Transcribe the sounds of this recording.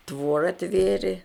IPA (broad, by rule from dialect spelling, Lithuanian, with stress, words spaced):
ˈtʋoːrɐ ˈtʲʋʲeːrʲeː